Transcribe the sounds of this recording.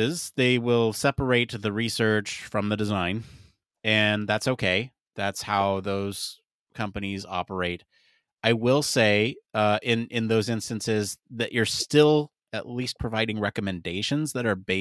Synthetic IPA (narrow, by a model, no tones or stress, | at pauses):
ɪzðeɪwɪlˠsɛpə˞eɪt̪̚ðɨɹisɜ˞t͡ʃfɹʌ̃mðɨdɨzãɪ̃n | ɨ̃nðætsoʊkʰeɪ | ðætshaʊðoʊz̥ | kʰʌ̃mpɨnizɑ̰pə˞eɪɾ | ʔaɪwɪlˠseɪʌʔɪ̃nɪ̃nðoʊzɪ̃nstɨ̃n̩sɪzðɨʔə˞stɪlˠ | ɨʔlis̚pʰɹ̥ɨvaɪɾɪ̃ŋɹɛkɨmɨ̃ndeɪʃɨ̃nzðɨɾə˞beɪ